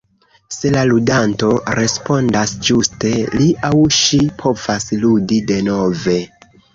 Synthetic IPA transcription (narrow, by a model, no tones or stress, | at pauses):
se̞laludanto̞ɾe̞spo̞ndasd͡ʒuste̞liʔawʃipʰo̞vasludide̞no̞ve̞